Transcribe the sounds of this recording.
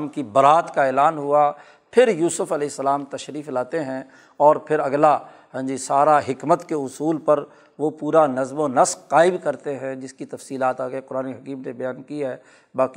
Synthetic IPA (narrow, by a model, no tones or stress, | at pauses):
mkibɐɾaːt̪kaeːlaːnɦʊa | pʰɪɾjuːsʊfɐlɛːsːəlaːmt̪ɐʃɾiːflaːt̪eɦɛ̃ | ɔːɾpʰɪɾɐɡla | ɦɛ̃d͡ʒisaːɾaɦɪkmət̪keʊsuːlpɐɾ | ʋopuːɾanɐzmonɐsqaːɪbkɐɾt̪eɦɛ̃d͡ʒɪskit̪ɐfsiːlaːt̪aːɡəeqʊɾaːneɦɐkiːmnebɐjaːnkiɦɛː | baːk